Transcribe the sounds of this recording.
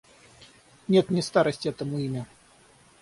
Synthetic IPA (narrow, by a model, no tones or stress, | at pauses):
nʲet̪nʲɪst̪aɾəsʲtʲɛt̪əmʊimʲɐ